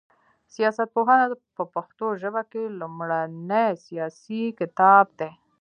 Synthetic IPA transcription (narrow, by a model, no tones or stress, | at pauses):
sijɑsat̪̚poɦɑnapəpaxt̪oʒəbakelumɽanejsijɑsikɪt̪ɑb̚d̪e